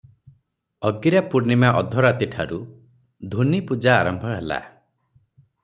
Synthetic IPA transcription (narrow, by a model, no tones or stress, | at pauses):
ɔɡiɾapuɾnimaʔɔd̪ʱɔɾat̪iʈʰaɾu | d̪ʱunipud͡ʒaːɾɔmbʱɔɦela̰